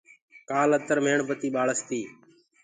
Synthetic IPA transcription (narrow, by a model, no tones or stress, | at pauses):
kaːlət̪əɾmeːɳpət̪iːɓaːɭəst̪iː